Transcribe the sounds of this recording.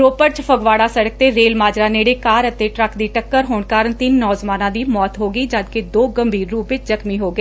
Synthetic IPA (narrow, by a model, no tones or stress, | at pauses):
ɾoːpəɾt͡ʃpʰəɡʋaːɽaːsəɽək̚t̪eːɾeːlmaːd͡ʒɾaːneːɽeːkaːɾət̪eːʈɾəkd̪iːʈəkːəɾɦoːɳkaːɾəɳt̪inːɔːzmaːnãːd̪iːmɔːt̪ɦoːɡiːd͡ʒəd̪ked̪oːɡəmbʱiːɾːuːpʋɪt͡ʃzəkmiːɦoːɡeː